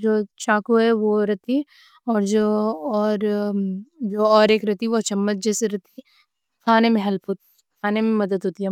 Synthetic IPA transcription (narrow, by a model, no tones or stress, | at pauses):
d͡ʒoːt͡ʃaːkuɦɛʋoɾɐt̪i | ɔːɾd͡ʒoɔːɾ | d͡ʒoːɔːɾeːkɾɐt̪iʋot͡ʃɐmːət̪̚d͡ʒɛːseɾɐt̪i | kʰaːnemẽɦɐlpɦoːt̪i | kʰaːnemẽmɐd̪əd̪ɦoːt̪iɦɛ